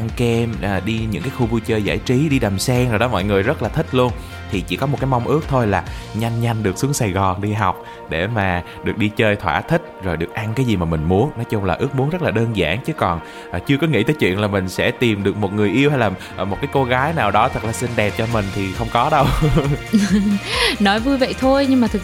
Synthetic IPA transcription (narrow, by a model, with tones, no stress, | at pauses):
ʔa˧ŋkɛ˧mʔːɗi˧ɲɨ̰˧˥ŋkaː˨˦xu˧vu˧t͡ɕəː˧jza̰ː˧˩jt͡ɕi˨˦ɗi˧ɗə˨˩msɛ˧ŋzo˨˩jɗɔ˨˦mɔ̰˧˨jŋɨ˨˩əjzə˦˥t̚laː˨˩t̪ʰi˦˥k̟̚lu˧ən | t̪ʰi˨˩t͡ɕḭ˧˥kɔ˨˦mo˨˩t̚kaː˨˦jm˧wŋ͡mʔɨ˦˥ək̚t̪ʰo˧jlaː˨˩ɲa˧jŋ̟ɲa˧jŋ̟ɗɨ˨˩ək̚su˨˦əŋsa˨˩jɣɔ˨˩nɗi˧ɦa˨˩wk͡p̚ | ɗe˧˩maː˨˩ | ɗɨ˨˩ək̚ɗi˧t͡ɕəː˧jt̪ʰwa̰ː˧˩t̪ʰï˦˥k̟̚zo˨˩jɗɨ˨˩ək̚ʔa˧ŋkaː˨˦jzi˨˩maː˨˩mï˨˩ŋ̟mu˨˦ənnɔ˨˦jt͡ɕʊ˧ŋ͡mlaː˨˩ʔɨ˦˥k̚mu˨˦ənzə˦˥t̚laː˨˩ɗəː˧nza̰ː˧˥˩ŋt͡ɕɨ˨˦kɔ˨˩n | ʔːt͡ɕɨ˧əkɔ˨˦ŋḭ˧˥t̪əː˨˦jt͡ɕwḭ˧˨ənlaː˨˩mï˨˩ŋ̟sɛ̰˧˥t̪i˨˩mɗɨ˨˩ək̚mo˨˩t̚ŋɨ˨˩əjʔi˧əwɦa˧jlaː˨˩˨ | mo˨˩t̚kaː˨˦jko˧ɣaː˨˦jnaː˨˩wɗɔ˨˦t̪ʰə˨˩k̚laː˨˩si˧nɗɛ˨˩p̚t͡ɕɔ˧mï˨˩ŋ̟t̪ʰi˨˩xə˧wŋ͡mkɔ˨˦ɗə˧w | nɔ˨˦jvu˧jvə̰˧˨jt̪ʰo˧jɲɨ˧ŋmaː˨˩t̪ʰ